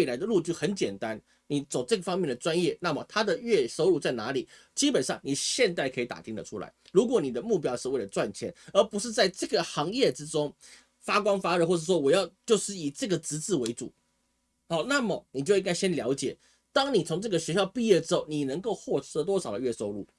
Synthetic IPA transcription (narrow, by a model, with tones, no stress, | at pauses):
i˩la˧˥ɪd̪ə˧lu˥˧t͡ɕjo˥˩ʊxə˧˥nt͡ɕjɛ˨˩nt̪a˦n | ni˨˩t͡so˨˩ʊʈ͡ʂɤ˥˩ɡə˩fɑ˥ŋmjɛ˥˩nd̪ə˩ʈ͡ʂwa˦njɛ˥˩na˥˩mə˩t̪ʰa˥d̪ə˨ɥɛ˥˩so˥ʊlu˨˩t͡sa˥˩ɪna˧˥li˨˩ | t͡ɕi˥pə˨˩nʂɑ˥˩ŋni˨˩ɕjɛ˥˧nt̪a˥˩ɪkʰɤ˧˥i˧˥t̪a̰˨˩t̪ʰi˧˥ŋd̪ə̰˨˩ʈ͡ʂʰu˥la̰˧˦ɪɻu˧˥kwɔ˨˩˦ni˨˩d̪ə˦mu˥˩p̬jɑ˥ʊʂɻ̩˥˧we˥˩ɪlə˩t͡swa˥˨˩nt͡ɕʰjɛ̰˧˥nə˞˧˥pu˧˥ʂɻ̩˥˧t͡sa˥˧ɪʈ͡ʂɤ˥˩ɡə˩xɑ˧˥ŋjɛ˥˩ʈ͡ʂɻ̩˥ʈ͡ʂʊ˥ŋ | fa˥kwɑ˥ŋfa˥ɻə˧˩xwɔ˥˧˩ʂɻ̩˥˩wɔ˥wɔ˨˩jɑ˥˧ʊt͡ɕjo˥˧ʊʂɻ̩˥˩i˨˩ʈ͡ʂɤ˥˩ɡə˩t͡sɹɻ̩˧˥t͡sɹ̩˥˩we˧˥ɪt͡su˨˩˦ | xa˨˩˦ʊna˥˩mə˩ni˨˩t͡ɕjo˥˧ʊĩ˥ŋka˥ɪɕjɛ˥nljɑ˧˥ʊt͡ɕjɛ˨˩ | t̪ɑ˥ŋni˨˩t͡sʰʊ˧˥ŋʈ͡ʂɤ˥˩ɡə˩ɕɥɛ˧˥ɕjɑ˥˧ʊpi˥˧jɛ˥˩ʈ͡ʂɻ̩˥xo˥˩ʊni˨˩nə˧˥ŋko˥˧ʊxwɔ˥˩ʈ͡ʂʰɤ˥t̪wɔ˥ʂɑ˨˩ʊd̪ə˦ɥɛ˥˩ʂo˥ʊlṵ˥˩